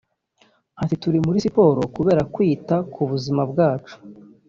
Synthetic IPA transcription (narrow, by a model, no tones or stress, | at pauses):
atituɾimuɾisipo̞ːɾo̞kuβe̞ːɾakwiːtakʰuβuzimab̚ɡaːt͡ʃu̥